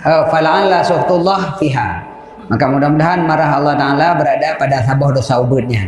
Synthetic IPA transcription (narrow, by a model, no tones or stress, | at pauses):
əfalanlasuft̪ulːɑhfiɦa̰ | makamudahmudaɦanmaɾaɦɑlˠːɔht̪aalabəɾadapadasabɔhdosaubət̪̚ɲa